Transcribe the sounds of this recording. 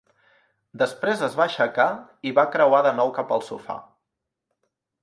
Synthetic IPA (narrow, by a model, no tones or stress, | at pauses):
d̪əspɾezəzβaʃəkaiβakɾəwaðənɔwkapəlˠsṵfa̰